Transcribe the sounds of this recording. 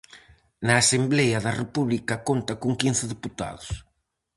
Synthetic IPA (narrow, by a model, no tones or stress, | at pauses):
naːsemblɛjɐðɐrepuβlikɐkont̪ɐkuŋkin̟θɪðeput̪a̰ðʊs